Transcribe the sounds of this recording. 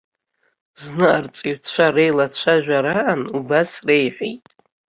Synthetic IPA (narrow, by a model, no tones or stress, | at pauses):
znɨʔart͡sʷʼiɥʷt͡ɕʷʰarejlat͡ɕʷʰaʒᶣʷaɾaʔanubasrejħʷᶣijtʼ